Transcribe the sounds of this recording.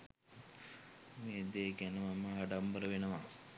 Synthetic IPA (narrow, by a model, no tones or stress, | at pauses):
meːd̪eːɡænəmamːəːɖambəɾəʋenəʋa